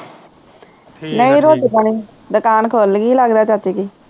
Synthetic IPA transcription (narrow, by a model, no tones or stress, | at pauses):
nəiːɾoːt̪ipəɳiː | d̪əkaːnkʰoːlɡiːləɡd̪aːt͡ʃaːt̪iːkiː